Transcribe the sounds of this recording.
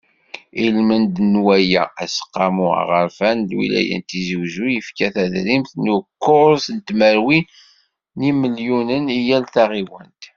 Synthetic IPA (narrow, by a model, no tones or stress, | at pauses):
ilmənd̪nwæjæ̰æsə̥qːɑmṵʁəɾfænlwḭlæ̰jə̰nt̪izəwzujəfkæθæðɾimθnukːʊɾsənt̪məɾwi | niməljunənijælθæʁiwənt̪